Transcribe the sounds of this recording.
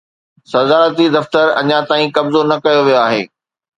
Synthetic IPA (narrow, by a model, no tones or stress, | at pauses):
sɐzaːɾət̪id̪ɐft̪əɾɐ̰ɲãt̪aːĩkɐbzonɐkɐjoʋijoaːɦḛː